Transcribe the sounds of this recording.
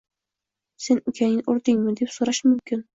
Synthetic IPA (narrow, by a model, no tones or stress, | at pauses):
senʊkʲʰænʲɪnʔʊɾd̪ɪŋmɪd̪epsoɾɑʃmɵmkʲɪn